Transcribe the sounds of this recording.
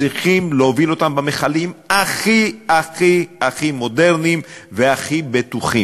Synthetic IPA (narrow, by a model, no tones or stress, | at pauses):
iχimleovilo̞t̪ambameχalimaχiaχiaχimo̞de̞ʁnimveaχibet̪uχḭm